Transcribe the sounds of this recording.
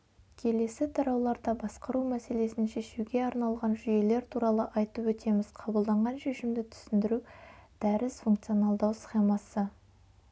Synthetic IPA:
kʲʰe̞le̞sɪt̪ʰɑɾɑwlˠɑɾd̪ɑbɑsqəɾumæse̞le̞sɪnʃe̞ʃuɡʲe̞ɑɾnɑlˠʁɑnʒʏje̞le̞ɾt̪ʰuɾɑlˠəʔɑjt̪əpwɵt̪ʰe̞mɪz̥qʰɑbəlˠd̪ɑɴʁɑnʃe̞ʃɪmd̪ɪt̪ʰʏ̥sɪnd̪ɪɾud̪̥æɾɪsfuŋkt̪sijo̞nɑlˠd̪ɑwsχe̞mɑsə

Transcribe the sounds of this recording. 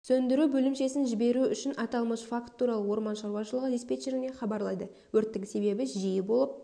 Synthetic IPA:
sɵnd̪ɪɾubɵlɪmʃe̞sɪnʒɪbe̞ɾuʏʃɪnɑt̪ɑlˠməʃfakt̪ʰːuɾɑlˠəwo̞ɾmɑnʃɑɾwɑʃəlˠəʁəd̪ispe̞t̪ʃeɾɪne̞χɑbɑɾlˠɑjd̪ə | wɵɾt̪ːɪŋse̞be̞bɪʒijɪbo̞lˠəp̚

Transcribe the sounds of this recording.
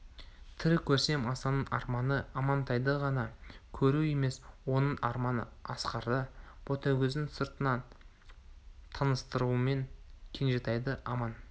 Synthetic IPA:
t̪ʰɪɾɪkʲʰɵɾse̞mɑsɑnəɴʔɑ̰ɾmɑnəɑmɑnt̪ʰɑjd̪əʁɑnɑkʲʰɵɾue̞me̞swo̞nəɴɑɾmɑnə̰ɑsqɑɾd̪əb̥ot̪ʰæwɡʲʏzd̪ɪŋsəɾt̪ənɑ | t̪ʰɑnəst̪əɾuəme̞nkʲʰe̞nʒet̪ɑjd̪əɑmɑn

